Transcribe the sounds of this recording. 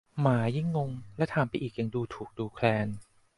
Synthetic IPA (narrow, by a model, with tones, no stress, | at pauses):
maː˩˦ji˥˩ŋːo˧ŋlɛ˦˥t̪ʰaː˨˦mpa˧jʔiː˨˩k̚ja˨˩ŋduː˧t̪ʰuː˨˩k̚duː˧kʰlɛː˧n